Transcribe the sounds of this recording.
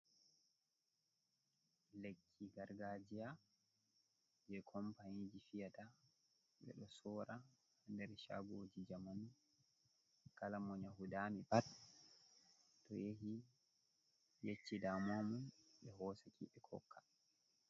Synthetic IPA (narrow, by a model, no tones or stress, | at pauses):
lekʰːiɡaɾɡad͡ʒija | d͡ʒɛkʰɔmpanid͡ʒifijata | ɓɛ̰ɗɔsɔːɾa | ndɛɾʃa̰ɡoːd͡ʒid͡ʒaman | kalamɔɲaɦudamipat | tɔ̰jeɦi | jet͡ʃːidamamunɓɛɦɔːsakʰiɓɛkʰɔ̰kʰːḁ